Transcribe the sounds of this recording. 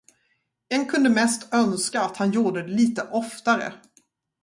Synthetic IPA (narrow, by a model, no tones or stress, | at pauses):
ɛnkʰɵnd̪əmɛst̪œnskaːt̪hanjuːɖəd̪ɛliːt̪əʔɔft̪aɾə̰